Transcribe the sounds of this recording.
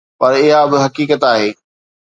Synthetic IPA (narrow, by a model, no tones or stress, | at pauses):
pɐɾɪɦabɪɦɐkiːkət̪aːɦeː